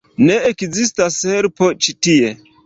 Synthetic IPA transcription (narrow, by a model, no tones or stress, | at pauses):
neekzistasheɾpot͡ʃitie